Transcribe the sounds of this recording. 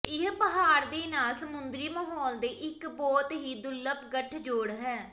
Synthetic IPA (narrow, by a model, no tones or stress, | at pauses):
ɪɦpəɦaːɾd̪eːnaːlsəmʊnd̪ɾiːməɦɔːld̪eːʔɪkbɔːt̪ɦiːd̪ʊlːəpɡəʈʰd͡ʒoːɽɦɛː